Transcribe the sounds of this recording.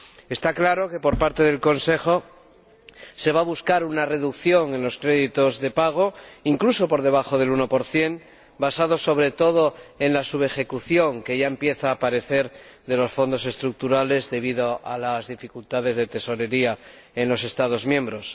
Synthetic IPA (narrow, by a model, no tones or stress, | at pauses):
e̞st̪aklaɾo̞ke̞po̞ɾpaɾt̪e̞ðe̞lko̞nse̞xo̞ | se̞β̞aβ̞uskaɾunare̞ðukθjo̞ŋe̞nlo̞skɾe̞ðit̪o̞zðe̞paɣ̞o̞iŋkluso̞po̞ɾðeβ̞axo̞ð̞e̞luno̞po̞ɾθje̞n | basað̞o̞so̞βɾe̞t̪o̞ð̞o̞e̞nlasuβe̞xe̞kuθjo̞ŋke̞ʝae̞mpje̞θaːpaɾe̞θe̞ɾðe̞lo̞sfo̞nd̪o̞s̬e̞st̪ɾuk̚t̪uɾale̞zðe̞β̞iðoa̰lazðifikult̪að̞e̞zðe̞t̪e̞so̞ɾe̞ɾia | e̞nlo̞se̞st̪að̞o̞zmjẽ̞mbɾo̞s